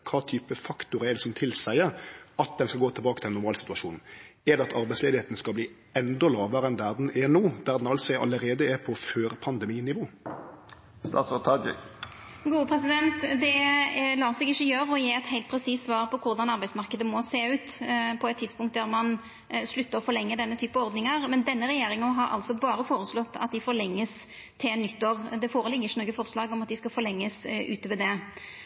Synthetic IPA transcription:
kʰɑːt̪ʰyːpəfɑkt̪ʊʁəɛd̪ɛɪsɔmt̪ʰɪlsæɪəɑt̪̚d̪ɛnskɑɡoːt̪ʰɪlbɑːkət̪ʰɪlɛnʊʁmɑːlsɪ̥t̪ʉɑʃuːnɛd̪ɛɑt̪ʰɑʁbæɪsleːd̪ɪheːt̪nəskɑlbliː | ɛnd̪ɔlɑːʋəɾɛnd̪æʁd̪ɛnɛnuːd̪æʁd̪ɛnɑlsæʔɑ̰lːəɾeːd̪əɛɾpʰɔføːʁpʰɑnd̪ɛmiːnɪʋoː | st̪ɑ̰ːt̪sɔt̪ʰɑd͡ʒɪ̰ | ɡuːəpʰʁɛsɪd̪ɛnt̪d̪ɛlɑːsɛɡɪçːəjøːɾəɔjeːɛt̪heɪlt̪pʰɾɛsiːsːʋɑːʁpʰɔkʰʊɾd̪ɑnɑɾbæɪdsmɑʁkəd̪əmɔseːʉːt̪pʰɔɛt̪ʰːɪd̪spʊŋkt̪̚d̪æʁmɑn | slʉt̪ːəɾɔfɔɾlɛŋːəd̪ɛnːət̪ʰyːpəɔɾd̪nɪŋəʁmɛnd̪ɛnːəɾɛjeːɾɪŋənɦɑɾʔɑ̰lsɔbɑːɾəfoːɾəslɔt̪ːɑ̰t̪̚d̪ɪfɔɾɭɛŋːəs | t̪ʰɪnːʏt̪ːoːʁd̪ɛfoːɾəlɪɡəɪçənoːɡəfɔʁslɑːɡɔmɑt̪d̪ɪskɑfɔlɛŋːəsʉ̰ːt̪əʋɛld̪ɛ

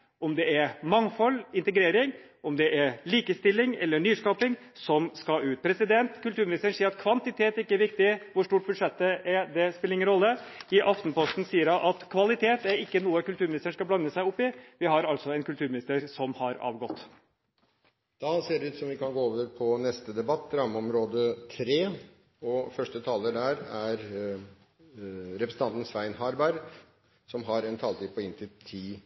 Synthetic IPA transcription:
ɔmd̪ɛæɾmɑŋfɔlːɪnt̪əɡɾeːɾɪŋ | ʔɔmd̪ɛʔæɾliːkəst̪ɪlːɪŋɛ̰lːəɳyːskɑːpɪŋ | sɔmskɑʉːt̪̚pʰɾɛsɪd̪ɛnt̪kʰʉlt̪ʰʉːɾmɪnɪst̪əɳsiːəɾɑt̪̚kʰʋɑnt̪ɪt̪ʰeːt̪ɾɪkːəæɾʋɪk̚t̪ɪʋʊʂʈuːʈ̚bʉd̪ʂɛt̪ːəʔæɾd̪ɛspɪləɾɪŋːənɾɔlːəɪʔɑft̪n̩pʰɔst̪n̩siːəɾɑnʔɑt̪kʰʋɑlɪt̪ʰeːt̪æɾɪkːənuːəkʉlt̪ʉːɾmɪnɪst̪əɳ̩ʂkɑblɑnːəsæɪʊpːɪʋɪhɑɾɑlsɔɛnkʉlt̪ʰʉːɾmɪnɪst̪əɾsɔmhɑɾɑ̰ːʋɡɔt̪ː | d̪̥ɑseːɖɛʉːt̪sɔmʋɪkɑnɡoːoːʋəɾpʰɔnɛst̪əd̪ɛbɑt̪ːɾɑmɔmɾoːd̪ət̪ʰɾeː | ɔfœʂʈət̪ʰɑːləɖæɾæɾ | ɾɛpʰɾəsn̩ʰɑnt̪n̩sʋæɪnɦɑɾbæɾ | sɔmɦɑɾɛnt̪ʰɑːlt̪iːpʰɔɪnt̪ʰɪlt̪ʰiː

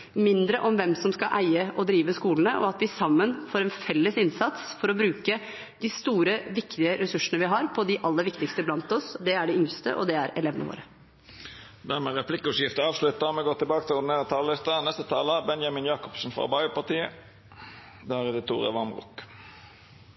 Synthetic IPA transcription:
mɪnd̪ɾəʔɔmʋɛmsɔmskɑʔæɪəʔɔd̪ɾiːʋəskuːlənəʔɔ̰ɑt̪ʋɪsɑmːənfoːɾɛnfɛlːəsɪnsɑt̪sfɔɾɔbɾʉːkə | d̪ɪst̪uːɾəʋɪkt̪ɪəɾɛsʉʂənəʋɪɦɑɾpʰɔd̪ɪʔɑlːəʋɪkt̪ɪkst̪əblɑnt̪ɔsd̪ɛæɖɪʏŋst̪ə̰ʔɔ̰d̪ɛæɾɛ̰leːʋənə̰ʋo̰ːɾə | d̪æʁmɛʁɛpʰlɪkːəʉʃjɪft̪əɑːʋslʉt̪ːɑmɛɡoːt̪ʰːɪlbɑːkət̪ʰɪʊd̪neːʁət̪ʰɑːllɪst̪ənɛst̪ət̪ʰɑːləbɛnjɑmɪnjɑːkɔ̥psn̩fʁɑ̰bɑɪəpɑʁt̪iːə | d̪æʁɛd̪ɪt̪ʰṵːʁə̰ʋɑmʁʊ̰k

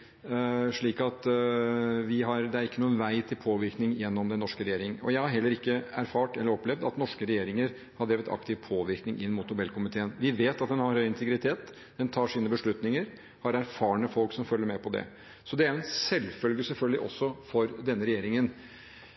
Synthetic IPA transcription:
ʂɭiːkɑt̪ | ʋɪɦɑɾd̪ɛæɾɪkːənuːənʋæɪt̪ʰɪlpʰoːʋɪɾknɪŋjɛnːɔmd̪ɛnːɔʂkəɾɛjeːɾɪŋɔ̰jæɪhɑɾɦɛlːəɾɪkːəæɾfɑːʈɛlːəɾɔplɛʋd̪ɑt̪nɔʂkəɾɛjeːɾɪŋəɾ | hɑdɖ̪ɾeːʋət̪ʰɑ̰kt̪ɪʋpʰoːʋɪɾknɪŋʔɪnːmʊːt̪nʊbɛlːkʰʊmɪt̪ʰeːənʋɪʋeːt̪ɑt̪̚d̪ɛnhɑɾhœʏɪnt̪ʰəɡɾɪt̪ʰeːt̪ | d̪̥ɛnt̪ʰɑːʂiːnəbəʂɭʉt̪nɪŋəɾ | hɑɾæɾfɑːɳəfɔlksɔmfœlːəɾmɛpʰɔd̪ɛ̰ | sɔd̪ɛæɾɛnsɛlfœlɡəsɛlfœlɡəlɪ̰ʔɔ̰sːɔfɔɾd̪ɛnːəɾɛjeːɾɪŋən

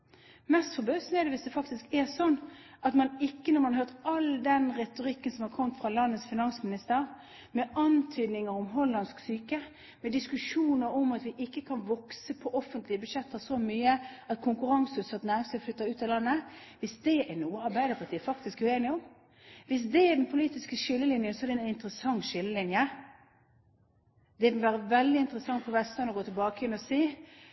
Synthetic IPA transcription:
mɛst̪fɔbøːsnɛʁd̪ɛʋɪsd̪ɛfɑkt̪ɪskɛʁsɔnː | ɑt̪mɑnɪkːənɔʁmɑnhɑɾhøːʁt̪ɑld̪ɛnʁɛt̪ʊʁɪkːənsɔmhɑʁkʰɔmt̪fɾɑlɑnːət̪sfɪnɑŋsmɪnɪst̪əʁ | mɛɑnt̪ʰyːd̪nɪŋəɾɔmɦɔlːɑnsksyːkə | mɛd̪ɪskʉʂuːnəɾɔmɑt̪ʋɪʔɪkːəkʰɑnʋɔksəpʰɔʔɔfənt̪lɪəbʉd̪ʃɛt̪ːəsɔmyːəɑt̪̚kʰʊŋkʉɾɑŋsʉsɑt̪næɪsɛflʏt̪ːəʉːt̪ɑlɑnːəʋɪsd̪ɛʔɛnuːəɑɾbæɪd̪əɾpʰɑʈ̪ʰiːəfɑk̚t̪ɪskɛʉeːnɪɔm | ʋɪsd̪ɛːɖ̪ɛnpʰʊliːt̪ɪskəʃʏlːəlɪnjənsɔɛɾɖ̪ɛnɪnt̪ɾəsɑŋːʃʏlːəlɪnjə | d̪ɛʋɪʋæːɾəʋɛld̪ɪɪnt̪əɾəsɑŋːfɔʋɛst̪lɑnɔɡoːt̪ʰɪlbɑːkəjɛnɔseː

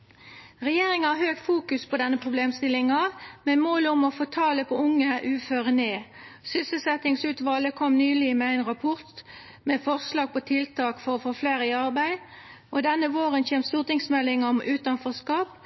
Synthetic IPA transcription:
ʁɛjeːʁɪŋəæʁhøːɡfuːkʉspʰɔd̪ɛnːəpʰʁʊbleːmst̪ɪlɪŋɑmɛmoːlʊmɔfoːt̪ʰɑːləpʰɔʊŋːəʔʉːføːʁəneː | sʏsəlsɛt̪ɪŋsʉːt̪ʋɑːləkʰɔmnyːlɪmɛæɪnʁɑpʰʊʁt̪ | meːfɔʁslɑːɡ̚pɔt̪ʰɪlt̪ʰɑːkfɔʁɔfoːfleːɾəɪɑʁbæɪ | ʔɔd̪ɛnːəʋoːʁənçeːmst̪uːʁt̪ɪŋsmɛlːɪŋəɔmʔʉːt̪ɑnfɔskɑːp

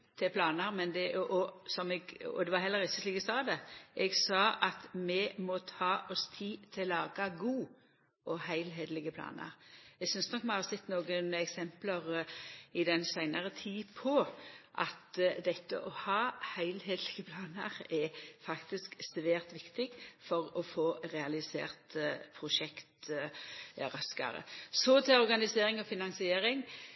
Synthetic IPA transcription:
t̪ʰɪɛpʰlɑːnəɾmɛnd̪ɛʔɔsɔmɛɡɔ̰d̪ɛʋɑɾhɛlːəʁɪçəsliːkəsɑːd̪ɛʔɛɡsɑːʔɑt̪mɛmɔt̪ʰɑːʔɔst̪ʰiːt̪ʰɪllːɑːɡɑɡuː | ʔɔhæɪlɦeːd̪əlɪɡəpʰlɑ̰ːnə̰ɾɛɡsʏnsnɔkmɛhɑsɛt̪ːnoːɡənɛksɛmpləʁɪd̪ɛnsæɪnɑʁət̪ʰiːpʰɔʔɑ̰t̪d̪ɛt̪ːə̰ʔɔhɑːhæɪlɦeːd̪əlɪɡəpʰlɑːnəʁɛfɑkt̪ɪsksʋæːʁt̪ʋɪkt̪ɪɡfɔʁɔfoːʁɛɑlɪsḛːʁt̪pʰɾʊʃɛkt̪ | ʁɑskɑ̰ɾə̰sɔt̪ʰɪlɔʁɡɑnɪseːʁɪŋɔfɪnɑŋsɪeːɾɪŋ

